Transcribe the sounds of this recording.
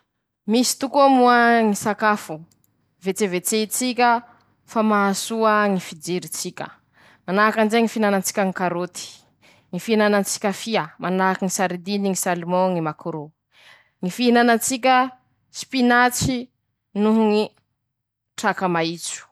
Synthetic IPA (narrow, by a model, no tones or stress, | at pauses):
misi̥t̪ukuamuaŋisakafu | vet͡sevet͡seit͡sikʲə | famaɦasuəŋifid͡ʒeɾit͡sikʲə̰ | manaakand͡ʒeŋifinanant͡si̥kʲaŋikaɾot̪i̥ | ŋifiinanant͡si̥kʲəfiamʔanakiŋisaɾid̪iniŋisalmɔŋimakuɾo | ŋifiinanat͡sik̬ʲə | spinat͡si | nuɦuŋi | ʈ͡ʂakamait͡su̥